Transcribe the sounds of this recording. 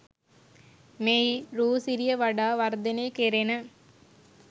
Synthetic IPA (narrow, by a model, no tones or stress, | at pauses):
meiɾuːsiɾijəʋaɖaːʋɐɾd̪eneːkeɾenə